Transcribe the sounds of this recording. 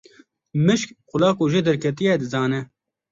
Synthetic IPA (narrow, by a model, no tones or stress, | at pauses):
mɨʃkxʊlɑːkoːʒeːd̪ɛɾkʰɛt̪̬ijɛːd̪ɨzɑːnɛ